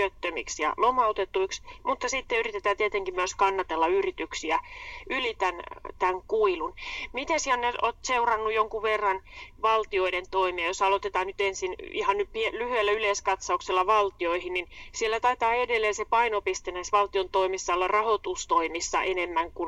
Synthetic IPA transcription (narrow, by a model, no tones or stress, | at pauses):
øt̪ːømḭksjɑ̰lomɑot̪et̪ːuiksmut̪ːɑsit̪ːeyrit̪et̪æːt̪iet̪eŋkimmyøskɑnːɑt̪elːɑyrit̪yksiæylit̪ænt̪æŋkuilunmit̪esiænneot̪seurɑnːujoŋkuʋʋerːɑnʋɑlt̪ioident̪oimiɑjosɑlot̪et̪ɑːnyt̪ensinihɑnnyppielyhyelːæyleiskɑt̪sɑukselːɑʋɑlt̪ioihinninsielːæt̪ɑit̪ɑːedelːeːnsepɑinopist̪enæisʋɑlt̪iont̪oimisːɑlːɑrɑhot̪ust̪oimisːɑ̰ʔenemːæŋkun